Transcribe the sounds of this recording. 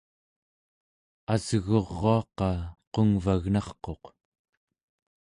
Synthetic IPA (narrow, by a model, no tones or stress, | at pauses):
azəɣoʁːoɑqɑqoŋvaɣnɑχqo̞q